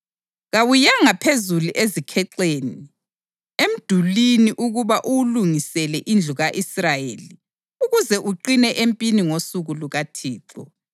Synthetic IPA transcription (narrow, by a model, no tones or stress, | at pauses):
ɣawujaŋapʰezuluʔezikʰɛǁeːni | em̩d̥ʱuliniʔuɣuβaʔuwluŋisɛlɛʔind͡ɮʱuɣaʔisrajḛli | uɣuzɛʔuǃinɛʔempʼiniŋosuɣuluɣatʰiːǁɔ̰